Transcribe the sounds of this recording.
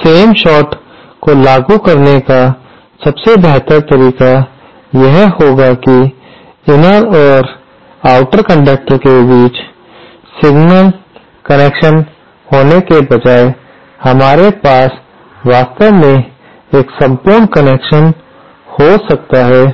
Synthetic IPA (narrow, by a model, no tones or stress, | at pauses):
seːmʃɔːʈ | kolaːɡukɐɾneka | sɐbsebɛɦt̪əɾt̪əɾiːka | jɛɦhoːɡaki | ɪnəɾɔːɾ | aːʊʈəɾkə̃ɳɖək̚ʈəɾkebiːt͡ʃ | sɪɡnəl | kɐneːkʃən | hoːnekebɐd͡ʒaːe | hɐmaːɾepaːs | ʋaːst̪əʋmẽ | eːksɐ̃mpuːɾɳkəneːkʃən | hosɐk̚t̪aɦɛː